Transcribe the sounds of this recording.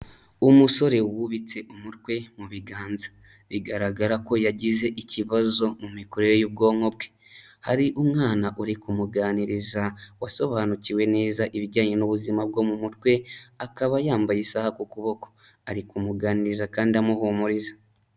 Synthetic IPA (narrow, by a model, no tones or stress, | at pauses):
umuso̞ɾe̞wuβit͡se̞ʔumutwe̞muβiɡaːnzḁ | βiɡaɾaɡaɾako̞jaɟize̞ʔiciβazo̞mumiko̞ɾe̞ɾejob̚ɡo̞ːŋ̥o̞bɡe̥ | haɾiʔumŋaːnaʔuɾikumuɡaːniɾizawaso̞βaːnuciwe̞ne̞ːzaʔiβiɟaːɲenuβuzimabɡo̞mumutwe̞akaβajaːmbajisahakukuβo̞ko̞̥ | aɾikumuɡaːniɾizakaːndiamuhomuɾizḁ